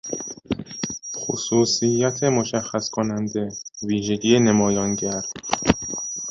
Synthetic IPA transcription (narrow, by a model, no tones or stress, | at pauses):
xosuːsijːæt̪ʰe̞moʃæxːæskʰonænd̪e̞viːʒe̞ɟiːjenemɒːjɒnɟæɾd̪̥